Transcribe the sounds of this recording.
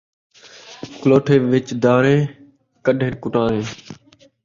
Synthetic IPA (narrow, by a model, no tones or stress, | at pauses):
kloːʈʰeːʋɪt͡ʃd̪aːɾẽː | kəɖʱeːɾkʊʈãːnẽː